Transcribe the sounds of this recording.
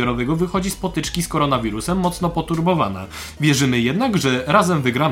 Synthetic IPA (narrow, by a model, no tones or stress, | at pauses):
ɔɾɔvɛɡɔvɘxɔd͡ʑispɔt̪ɘt͡ʂkʲiskɔɾɔnavʲiɾusɛmːɔt̪snɔpɔt̪uɾbɔva̰na̰ | vʲjɛʐɘmɘjɛd̪naɡʐɛɾazɛmvɘɡɾa